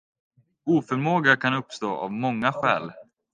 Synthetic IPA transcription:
uːfœɾmoːɡakʰanɵpːst̪oːʔa̰vmɔŋːaɧɛ̰ːl

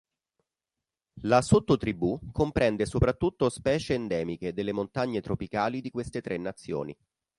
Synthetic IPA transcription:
lasot̪ːot̪ɾibukompɾɛnd̪esopɾat̪ːut̪ːospɛːt͡ʃeːnd̪ɛːmiked̪elːemont̪aɲːet̪ɾopikaːlid̪ikwest̪et̪ɾʔenːat̪sːjo̰ːnḭ

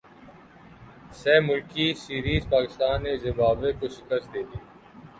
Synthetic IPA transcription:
sɛːmʊlkisiːɾiːzpaːkɪst̪aːnːeːzɪbaːʋekoʃɪkəst̪̚d̪eːd̪iː

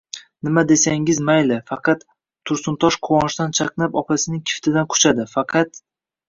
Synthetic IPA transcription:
nɪmad̪e̞saŋɪzmajlɪfɑqʰɑt̪ʰː | ʊɾsʊnt̪ʰɒʃqʰʊwɒnɪʃd̪ant͡ʃʰɑqnapɒpʰasɪnɪŋkʲʰɪ̥ft̪ʰɪd̪ankʰʊ̥t͡ʃʰad̪ɪfɑqʰɑt̪

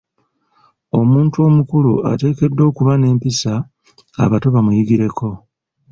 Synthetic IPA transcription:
o̞muːntuo̞mukulua̰te̞ːke̞dːo̞ːkuβane̞ːmpisa | a̰βato̞βamujiɡiɾe̞kʰo̞

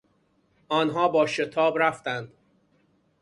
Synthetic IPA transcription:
ʔɒːnɦɒːbɒːʃe̞t̪ʰɒːbɾæft̪ænd̪̥

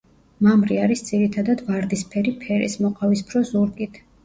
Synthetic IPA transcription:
mamɾiaɾisd̪z̥iɾit̪ʰad̪ad̪vaɾd̪ispʰɛɾipʰɛɾḭsmɔqʼavispʰɾɔzuɾkʼit̪ʰ

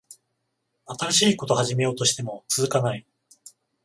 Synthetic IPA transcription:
at̪aɾaɕiːko̞t̪o̞haʑime̞jo̞ːt̪o̞ɕi̥t̪e̞mo̞t͡sɨzɨkanai

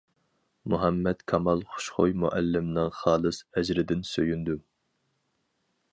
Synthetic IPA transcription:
muɦɛmːɛt̪kʰɑmɑlˠχʊ̥ʃχojmuʔɛlːɪmnɨŋχɑːlˠɨsɛd͡ʒɾɪd̪ɪnsøjynd̪u

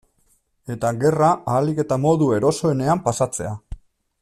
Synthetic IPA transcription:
e̞t̪aɡe̞raaːlike̞t̪amo̞ðue̞ɾo̞so̞e̞ne̞ampasat͡se̞a

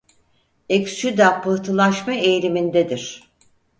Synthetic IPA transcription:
eksyd̪apʰɯht̪ʰɯlˠaʃmaejlʲimind̪ɛd̪iɾ̥

